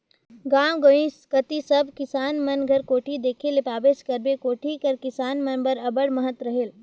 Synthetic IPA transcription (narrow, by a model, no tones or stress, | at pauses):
ɡãːɡoĩskɐt̪isɐbʱkɪsaːnmɐnɡʱɐɾkoːʈʰid̪eːkʰelepaːbeːskɐɾbekoːʈʰikɐɾkɪsaːnmɐnbəɾɐbəɽmɐɦət̪ɾɐɦeːl